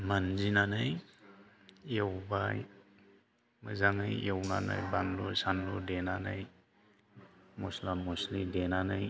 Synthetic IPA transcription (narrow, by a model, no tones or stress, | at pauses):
manzinanaj | ewbaj | mɯzaŋajewnana̰jbanlusanludenanaj | mɔslamɔslidenanaj